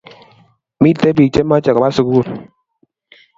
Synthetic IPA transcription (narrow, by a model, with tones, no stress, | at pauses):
mi˦˨te˦bi˨t͡ʃe˦ma˦t͡ʃa˨ka˨a˦su˨ku˦˨l